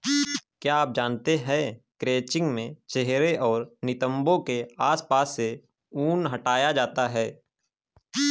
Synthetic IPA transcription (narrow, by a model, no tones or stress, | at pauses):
kjaaːp̚d͡ʒaːnt̪eɦɛ̃kɾeːt͡ʃɪ̃ŋɡmẽt͡ʃeɦɾeʔɔːɾnɪt̪ə̃mbõkeaːspaːsːe | uːnɦəʈaːjad͡ʒaːt̪aɦɛː